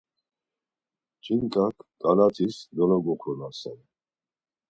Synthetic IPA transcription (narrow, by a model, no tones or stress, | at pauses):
t͡ʃʼinkʼakʰkʼalat̪ʰisd̪ɔlɔɡɔχʰɾɔnasɛn